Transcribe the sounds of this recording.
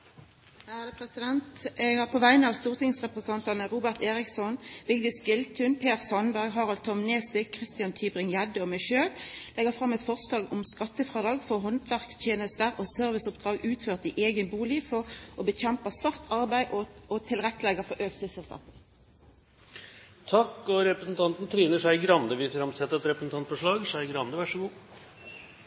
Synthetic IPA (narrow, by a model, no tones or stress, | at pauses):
hæːd̪əpʰʁɛsɪd̪ɛnt̪ʔeɡhɑʁpʰoːʋæɪnəɑʋst̪uːʁt̪ɪŋsʁɛpʁəsɛnt̪ɑnəʁuːbəʁt̪eːʁɪksɔnbɪɡd̪ɪskʏlt̪ʰʉnpʰeːʁsɔnbæʁɡɦɑːʁɑlt̪ʰɔmneːsɪkʰʁɪst̪ɪɑnt̪ʰyːbʁɪŋjæd̪əɔmæɪʃøːllɛɡəʁfʁɑmːɛt̪fɔʁslɑːɡʊmskɑt̪ːəfʁɑːd̪ɑːɡfɔʁɦɔnt̪ʰʋæʁkst̪ʰjeːnəst̪əʁosœʁʋɪsʊpd̪̥ʁɑːɡʉːt̪føːʁt̪iːʔeːɡənbuːlɪfɔʁɔbəçɛmpəsʋɑʁt̪ʰɑʁbæɪʔɔɔt̪ʰɪlʁɛt̪ːəlɛɡəʁfɔʁʔøːksɪsɛlskɑ̰t̪ | t̪ʰɑkːɔɾɛpɾəsn̩t̪ʰɑnt̪n̩t̪ʰɾiːnəʂæɪɡɾɑnd̪əʋɪfɾɑmsɛt̪əɾɛt̪ɾɛpɾəsn̩t̪ɑnt̪fɔʂɭɑːɡʂæɪɡɾɑnd̪əʋæʂɔɡuː